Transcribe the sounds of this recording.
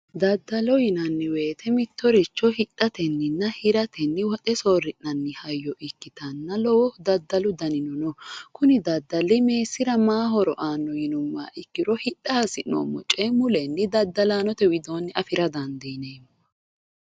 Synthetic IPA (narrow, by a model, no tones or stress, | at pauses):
d̪ɐd̪ːɐlɔjɪnɐnːɪwe̞ːt̪ʰɛmɪt̪ːɔɾɪt͡ʃːɔhɪᶑʼːɐt̪ɛnːɪnːɐhɪɾɐt̪ʰɛnːɪwɔt̪ʼɛsoːrɪnːɐnːɪhɐjːɔʔɪkːɪt̪ɐnːɐlɔwɔd̪ɐd̪ːɐlʊd̪ɐnɪnɔnɔkʊnɪd̪ɐd̪ːɐlːɪme̞ːsːɪɾɐmaːɦɔɾɔʔaːnːɔjɪnʊmːa̰ːʔɪkːɪɾɔhɪᶑːɐhɐsɪno̰ːmːɔ̰t͡ʃʼemʊlɛnːɪd̪ɐd̪ːɐlaːnɔt̪ɛwɪd̪o̞ːnːɪʔɐfɪɾɐd̪ɐnd̪ineːmː